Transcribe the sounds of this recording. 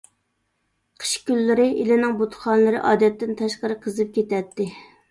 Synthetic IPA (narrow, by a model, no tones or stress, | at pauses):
qʰə̥ʃkʲylːɪɾɪʔilɪnɪŋbot̪χɑnlˠɨɾɨʔɑːd̪ɛt̪ːɪnt̪ʰɑʃqəɾɨqʰəzɨp̚kʲʰet̪ɛt̪ːɪ